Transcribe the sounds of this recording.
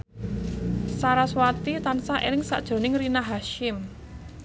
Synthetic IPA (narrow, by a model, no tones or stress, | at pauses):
saɾaswat̪it̪ansaʔelɪŋsa̰ʔd̥ʒ̥o̤nɪŋrinaɦaʃɪm